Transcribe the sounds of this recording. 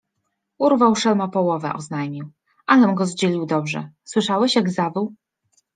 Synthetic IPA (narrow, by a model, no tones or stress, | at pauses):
uɾvawʂɛlmapɔwɔvɛ̰ʔɔznajmʲiw | ʔalɛmɡɔzd͡ʑelʲiwd̪ɔbʐɛ̰swɘʂawɛɕjaɡzabɘw